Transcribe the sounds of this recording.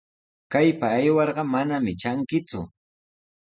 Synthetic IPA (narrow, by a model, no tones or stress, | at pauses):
kajpaːjwɑɾɢɑmanamɪt͡ʃaŋkɪt͡sʊ̰